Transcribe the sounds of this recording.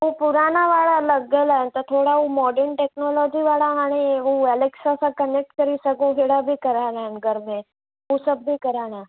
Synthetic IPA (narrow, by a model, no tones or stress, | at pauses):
ɦupuɾanaʋaːɭaləɡelaent̪ɔt̪ʰoɽaɦumɔːɖəɾɳʈeknɔlɔd͡ʒiʋaːɭaaɽ̃iɦuɛleksasakənek̚ʈkəɾisəɡuɦeɽabʱiːkəɾaːlanɡʱəɾmẽ | ɦusəbbikəɾaːɽ̃a